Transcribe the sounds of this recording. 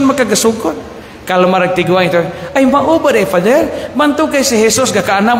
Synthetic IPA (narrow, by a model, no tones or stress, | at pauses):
nmakaɡasukʊt̪̚ | kalomaɾak̚t̪iɡuaŋit̪uajmaʔubadafad͡ʒɛlbant̪ukajsiɦɛsʊsɡakaːna